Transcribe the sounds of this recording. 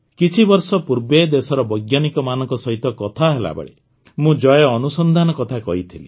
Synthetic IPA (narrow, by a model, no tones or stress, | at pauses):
kit͡ʃʰibɔɾsɔpuɾbed̪esɔɾɔbɔjɡjanikɔmanɔ̃ŋkɔsɔɦit̪ɔkɔt̪ʰaɦela̰ba̰ɭḭ | mũd͡ʒɔjɔɔnusɔnd̪ʱanɔkɔt̪ʰakɔɦit̪ʰili